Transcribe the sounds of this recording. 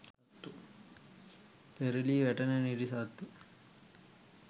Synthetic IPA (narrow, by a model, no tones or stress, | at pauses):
sɐt̪ːu | peɾiliʋæʈɐnəniɾisɐt̪ːu